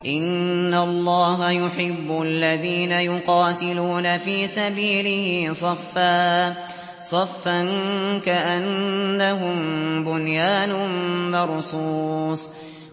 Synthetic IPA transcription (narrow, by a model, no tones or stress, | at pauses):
ʔɪnːalˤːɑːɦajʊħɪbːʊlːaðiːnajʊqɑːt̪ɪluːnafiːsabiːlɪhɪsˤɑfːaː | sˤɑfːankaʔanːaɦʊmbʊnjaːnʊmɑɾˤsuːsˤ